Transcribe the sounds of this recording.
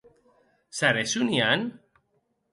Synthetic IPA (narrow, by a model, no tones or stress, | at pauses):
saɾesunian